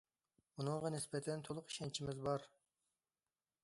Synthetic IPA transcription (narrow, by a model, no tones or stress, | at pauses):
munɨŋʁɑnɪsbɛt̪ʰɛnt̪ʰolˠʊqi̥ʃɛnt͡ʃʰimɪzbɑɾ